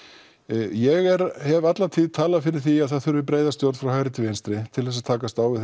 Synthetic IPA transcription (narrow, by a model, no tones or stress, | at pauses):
jɛɣɛɾhɛvat̪lat̪ʰiːðt̪ʰaːlafɪɾɪɾ̥θiaðθaðθʏɾvɪpɾeːjðast̪jowɾfɾawhajɾɪt̪ɪvenst̪ɾɪt̪ʰɪlθɛs̬at̪ʰaːkast̪aːwvɪ